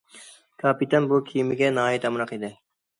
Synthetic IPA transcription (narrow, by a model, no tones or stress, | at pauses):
kaːpit̪ɐnbokʰiːmiɡenaːit̪ɐmɾɐqid̪e